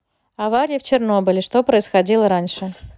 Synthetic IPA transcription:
ɐvaɾʲɪjɪft͡ɕɪrno̞bɨlʲɪʂt̪o̞pɾəɪsxɐdʲilˠəɾanʲʂɨ

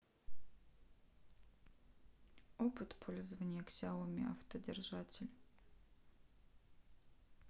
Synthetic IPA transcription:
opɨt̪pʰolʲzvɐnʲɪjɛksʲawˠomʲɪa̰ft̪ʰədʲɪrʒatʲʰɪlʲ

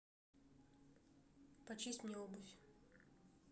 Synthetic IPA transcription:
pɐt͡ɕisʲtʲmnʲeobʊfʲ

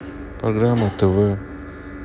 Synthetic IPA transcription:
pɾoɡɾaːmɐt̪ːuʋɯ

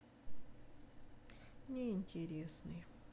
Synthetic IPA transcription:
nʲɪɪnʲtʲɪɾʲesnɨj

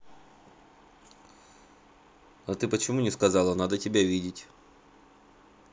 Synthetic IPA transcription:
ɐt̪ɨpət͡ɕɪmunʲɪskɐzɑlˠənad̪ətʲɪbʲavʲidʲɪtʲ

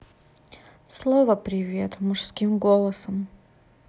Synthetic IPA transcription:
slˠovəpɾʲɪvʲe̞t̪mʊʂskʲimɡolˠəsəm

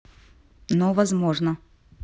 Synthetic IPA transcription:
novɐzmoʐnə

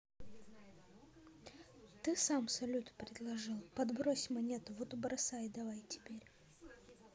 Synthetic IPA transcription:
t̪ɨsamsɐlʲut̪pɾʲɪd̪lˠɐʐɨlˠpɐd̪bɾosʲmɐnʲet̪ʊvot̪ʊbɾɐsajd̪ɐvajtʲɪ̥pʲeɾʲ

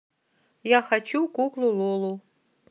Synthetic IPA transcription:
jaxat͡ɕukuklˠulˠolˠu

